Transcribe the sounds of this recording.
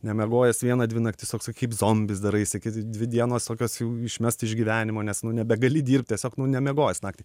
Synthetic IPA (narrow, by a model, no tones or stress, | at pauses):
nʲɛmʲɛɡoːjɛsʋʲiɛnɐd̪ʲʋʲɪnɐktʲɪst̪oːkskɐɪpzoːmʲbʲɪsd̪ɐɾɐɪsʲɪkʲɪtd̪ʲʋʲɪd̪ʲiɛnoːst̪oːkʲoːsjɛʊɪʃʲmʲɛst̪ɪʒʲɡʲiːʋʲæːnʲɪmoːnʲɛsnʊnʲɛbʲɛɡɐlʲɪdʲiːrʲp̚ʲtʲɛsʲoːknʊnʲɛmʲɛɡoːjɛsnɑːktʲiː